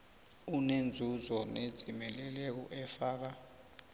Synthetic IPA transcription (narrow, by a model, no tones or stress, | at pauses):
unend͡zʱuzɔned̥d͡zʱimɛlɛlɛk̬ɔ̰ʔɛfaːk̬a